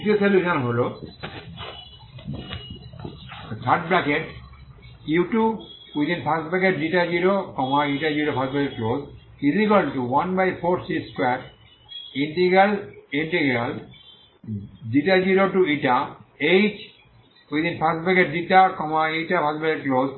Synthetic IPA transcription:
itoseljuʃɔ̃nɦolo | t̪ʰaʈ̚blakeʈ | jiʈu | wit̪inpʰasbɛkeʈ̚d͡ʒiʈad͡ʒiɾokɔmaiʈad͡ʒiɾopʰasbɛkeʈ̚kloz | izikɔlɖʈuwãnbajpʰoɾsiskwɛʈ | ĩɳʈiɡɾalĩɳʈiɡɾal | d͡ʒiʈad͡ʒiɾoʈuiʈaet͡ʃ | wit̪inpʰasblɛkeʈ̚d͡ʒiʈakɔmaiʈapʰasblɛkeʈ̚kloz

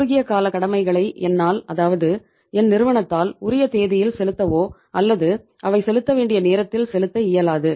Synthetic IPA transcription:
ɾʊɣɪjɐkaːlɐkɐɽɐmɐɪɣɐɭɐɪʔɛnːaːlɐðaːʋɐðɯ | ɛnnɪɾɯʋɐɳɐt̪ːaːlʊɾɪjɐt̪eːðɪjɪlsɛlɯt̪ːɐʋoː | ɐlːɐðɯ | ʔɐʋɐɪsɛlɯt̪ːɐʋeːɳɖɪjɐneːɾɐt̪ːɪlsɛlɯt̪ːɐɪjɐlaːðɯ

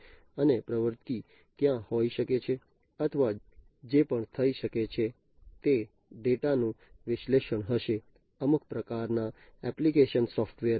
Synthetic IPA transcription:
ənepɾəʋəɾt̪i | t̪jãhoiʃəket͡ʃʰe | ət̪ʰəʋa | d͡ʒepəɳt̪ʰəiʃəket͡ʃʰe | t̪e | ɖeʈanũ | ʋɪʃleʃəɳɦəʃe | əmuk̚ʰpɾəkaɾnaɛplikeʃənsɔfʈʋeəɾ

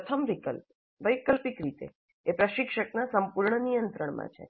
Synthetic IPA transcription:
pət̪ʰəmʋikəlp | ʋəjkəlpikɾit̪ḛ | epɾəʃikʃəknasəmpuɾɳənijənt̪ɾəɳmã̰t͡ʃʰḛ

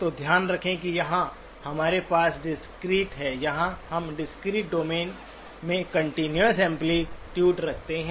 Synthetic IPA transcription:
t̪od̪ʱjaːnɾɐkʰẽkijɐɦã | hɐmaːɾepaːsɖɪskɾiːʈɦɛːjɐɦãhɐmɖɪskɾiːʈ̚ɖoːmeːn | mẽkɐ̃ɳʈinjəsɛ̃mpliʈjuːʈɾɐk̚ʰt̪eɦɛ̃

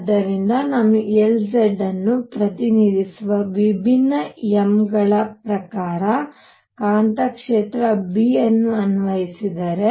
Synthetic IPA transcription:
d̪ɐɾind̪ɐnɐmuelseɖɐnːupɾɐt̪inid̪isuʋɐʋibʱinːɐemɡɐɭɐpɾɐkaːɾɐ | kaːɳt̪ɐkʂeːt̪ɾɐbiɐnːuɐnʋɐjisid̪ɐɾe

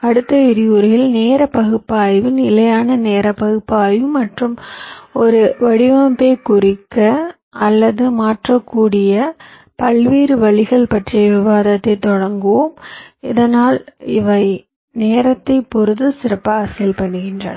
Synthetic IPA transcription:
ɐɽɯt̪ːɐɪɾɪjuːɾjɪlneːɾɐpɐɣɯpːaːjʋɯnɪlɐjaːnɐneːɾɐpɐɣɯpːaːjʋɯmːɐʈrɯmɔɾɯʋɐɽɪʋɐmbeːkʊrɪkːɐ | ɐlːɐðɯmaːʈrɐkːuːɽɪjɐ | pɐlʋiːɾɯʋɐɭɪɣɐɭpɐʈrɪjɐʋɪʋaːðɐt̪ːɐɪt̪ːɔɽɐŋɡɯʋomɪðɐnaːlɪʋɐɪ | neːɾɐt̪ːɐɪpːɔɾɯðɯsɪɾɐpːaaːsɐlpɐɳːɯɣɪndrɐ̰nɐ

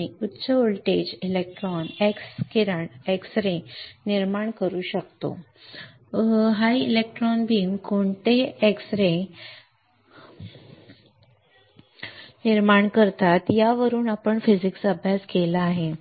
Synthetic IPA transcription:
iutːt͡səolʈed͡ʑilek̚ʈɾɔnekskiɾaɳeksɾẽniɾmaɳkəɾuːɕək̚t̪o̰ | ɦajilek̚ʈɾɔnbʱiːŋkoɳt̪eeksɾe | niɾmaɳkəɾt̪at̪jaʋəɾuːnapəɳfid͡ʑiksəbʱjaskelaːɦe

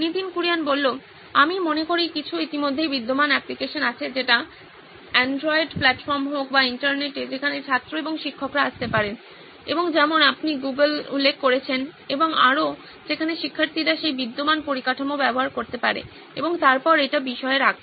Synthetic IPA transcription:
nid̪inkuɾijanbolːo | amimonekoɾikit͡ɕʰuit̪imod̪ʱːejbid̪ːomanɛplikeʃonat͡ɕʰed͡ʑeʈa | ɛɳɖɾɔiɖplɛʈfɔɾmɦokbaiɳʈaɾneʈed͡ʑekʰanet͡ɕʰat̪ːɾoeboŋʃikʰːokɾaaʃt̪epaɾen | ḛboŋd͡ʑɛmonapniɡuɡəlṵlːekʰːoɾet͡ɕʰeneboŋa̰ɾo | d͡ʑekʰaneʃikʰːaɾt̪ʰiɾaʃejbid̪ːomanpoɾikaʈʰomobɛboɦaɾkoɾt̪epaɾḛ | ḛboŋt̪aɾpɔɾejʈabiʃɔeeɾak̪

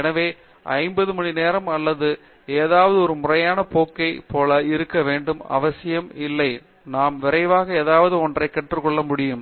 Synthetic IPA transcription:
ɛnɐʋeː | ʔɐ̰ɪmbɐðɯmɐɳineːɾɐmɐlːɐðɯ | eːðaːʋɐðɯɔɾɯmʊrɐjaːnɐpoːkːɐɪpoːlɐɪɾɯkːɐʋeːɳɖɯmɐ̰ʋɐsɪjɐmɪlːɐɪ | naːmʋɪɾɐɪʋaːɣɐeːðaːʋɐðɯɔndrɐɪkːɐʈrɯkːɔɭːɐmʊɽɪjɯm

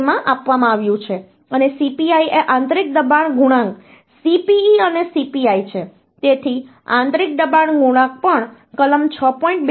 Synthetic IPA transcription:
mãʔapʋamãaʋjũt͡ʃʰe | ənesipiaieʔãnt̪ɾik̚d̪əbaɳɡʱuɽ̃ãŋɡ | sipiːənesipiait͡ʃʰe | t̪et̪ʰi | ã̰nt̪ɾik̚d̪əbaɳɡʱuɽ̃ãk̚pəɳ | kələmt͡ʃʰəpɔĩɳʈ̚b

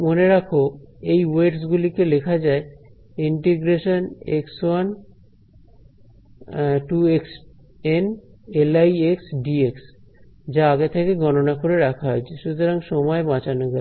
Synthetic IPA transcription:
moneɾakʰoejweʈs̬ɡulikelekʰad͡ʑae | iɳʈeɡɾeʃonekswan | ʈueks | enelajeksɖieks | d͡ʑaaɡet̪ʰekeɡɔnonakoɾeɾakʰaɦoet͡ɕʰeʃut̪oɾaŋʃɔmɔebãt͡ɕanoɡɛ

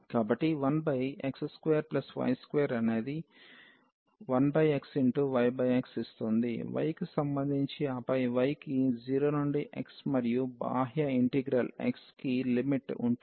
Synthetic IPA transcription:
kaːbɐʈːiʋɐnbɐjḛksskʋeːjɐɾplɐsʋɐ̰jskʋejɐɾɐne̞ːd̪i | ʋɐnbɐjeksiɳʈuʋɐjbɐjeksist̪und̪ḭʋɐ̰jkusɐmbɐnd̪ʱiɲt͡ʃiɐpɐjʋɐjkid͡ʒiːɾoːnuɳɖiʔḛksmɐɾijuba̰ːɦjɐiɳʈiɡɾɐlḛkskilimiʈṵɳ

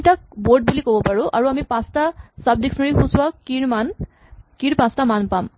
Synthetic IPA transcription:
tak̚boɹd̚bulikobɔpaɹʊʔa̰ɹuamipãstasab̚diksɔnaɹixuswakiɹman | kiɹpãstamanpam

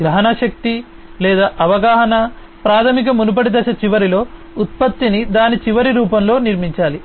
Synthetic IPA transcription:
ɡɾɐɦɐnɐʃɐk̚t̪i | lɛːd̪aːʔɐʋɐɡaːɦɐnɐ | pɾaːt̪ʰɐmik̬ɐmunup̬ɐɽid̪ɐʃɐt͡ʃiʋɐɾilo̞ː | ut̪̚pɐt̪ːinid̪aːnit͡ʃiʋɐɾiɾuːpɐmlo̞ːniɾmiɲt͡ʃaːli

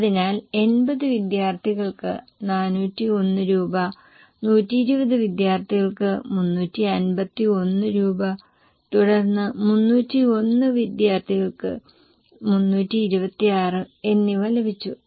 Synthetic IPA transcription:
ɐðinaːle̞nbɐðɨʋid̪jaːrt̪ʰiɣɐɭkɨ̰ | naːnuːtːionːɨɾuːbɐ | nuːtːiːɾubɐðɨʋid̪jaːrt̪ʰiɣɐɭkɨmunːuːtːiɐnbɐt̪ːio̞nːɨɾuːbɐ | t̪uɽɐrnːɨmunːuːtːio̞nːɨʋid̪jaːrt̪ʰiɣɐɭkɨ̰ | munːuːtːiːɾubɐt̪ːiaːrɨe̞nːiʋɐlɐbit͡ɕːu

